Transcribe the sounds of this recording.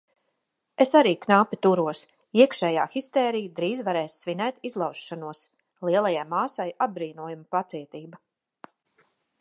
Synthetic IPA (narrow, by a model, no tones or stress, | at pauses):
esaɾiːknaːpʲit̪uɾuɔs | iɛkʃɛːjaːxist̪ɛːɾijd̪ɾiːzvaɾɛːsːvʲinɛːt̪izlˠawsʃanuɔəs | lˠiɛlˠajajmaːsajad̚bɾiːnuɔjumpat̪siɛt̪iːba